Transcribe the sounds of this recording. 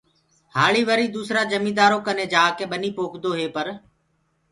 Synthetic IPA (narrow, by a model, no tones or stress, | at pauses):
haːɭiːʋəɾiːd̪uːsɾaːd͡ʒəmĩːd̪aːɾoːkənẽːd͡ʒaːkẽːɓəniːpoːkʰd̪oːɦeːpəɾ